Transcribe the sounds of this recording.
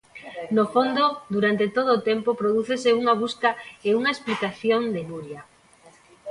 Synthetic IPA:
nofond̪od̪uɾant̪et̪oð̞oːt̪empopɾoðuθeseuŋaβ̞uskaeuŋaesplikaθjond̪eβuɾja

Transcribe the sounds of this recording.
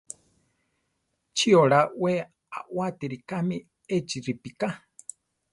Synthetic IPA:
t͡ʃʰioɺawe | a̰ʔwat̪iɾikami | et͡ʃiɾipika

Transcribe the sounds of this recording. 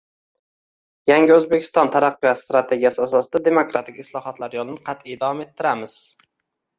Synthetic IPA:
jaŋɡʲɪɵzbekʲʰɪ̥st̪ɒnt̪ʰaɾɑqːɨjɒt̪st̪ɾat̪ʰe̞ɡʲijasɪasɒsɪd̪ad̪e̞mokɾat̪ʰɪkʲɪslˠɒhɒt̪laɾjɒlˠɪnɪqʰɑt̪ɪjd̪avɒme̞t̪ʰːɪɾamɪz̥

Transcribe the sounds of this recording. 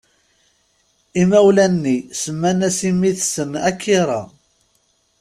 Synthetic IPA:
imæwlænːisəmːænæsimːiθsənækːiɾˤɑ̰

